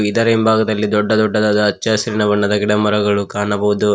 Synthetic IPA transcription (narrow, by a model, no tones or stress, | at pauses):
id̪ɐɾembʱaːɡɐd̪ɐlːid̪ɔɖːɐd̪ɔɖːɐd̪aːd̪ɐːt͡ʃːasɐɾinɐʋɐnːɐd̪ɐɡiɽɐmɐɾɐɡɐɭukaːnɐbɐʋud̪u